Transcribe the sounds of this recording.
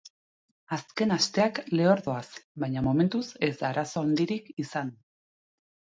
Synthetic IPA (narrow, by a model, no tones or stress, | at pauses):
aske̞nast̪e̞akle̞o̞ɾðo̞asβajɲamo̞me̞nt̪use̞zd̪aːɾaso̞and̪iɾikisan